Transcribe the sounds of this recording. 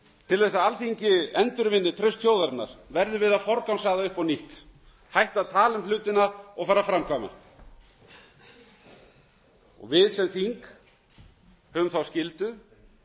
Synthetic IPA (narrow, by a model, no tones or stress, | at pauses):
t̪ʰɪlθɛsːaalθiɲcɪɛnt̪ʏɾvɪnːɪt̪ʰɾœɥst̪ʰçjoːwðaɾɪna̰ɾ̥vɛɾðʏvɪðaðfɔɾkawnsaːɣðaʏhpawniht̪ | hajht̪aðt̪ʰaːlʏmlʏːt̪ɪnaɔɣfaːɾafɾamkʰvaːma̰ | ɔ̰ɣvɪðsɛmθiŋk | hœːvʏmθawscɪlt̪ʏ